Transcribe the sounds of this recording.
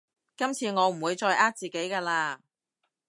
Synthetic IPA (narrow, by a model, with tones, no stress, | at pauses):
kɐ˥mt͡sʰiː˧ŋɔː˨˧m̩˨˩wuː˨˧jt͡sɔː˧jʔaː˥k̚t͡siː˨ke˨˥jkaː˧laː˧